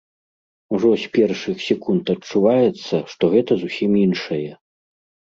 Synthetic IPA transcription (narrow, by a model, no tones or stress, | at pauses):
uʐɔsʲpʲɛrʂɨxsʲɛkunt̪ɐt͡ʂuvajɛt̪sːɐʂt̪ɔɣɛt̪ɐzusʲiminʂɐjɛ